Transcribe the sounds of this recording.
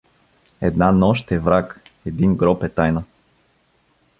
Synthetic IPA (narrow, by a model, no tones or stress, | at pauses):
ɛd̪nanɔʃt̪ɛvɾakɛd̪inɡɾɔpɛt̪ajnə